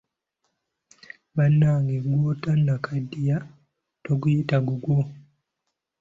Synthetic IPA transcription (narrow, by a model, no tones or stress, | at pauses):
banːaːŋɡeɡwotanːakʰadija | toɡujitaɡuɡwo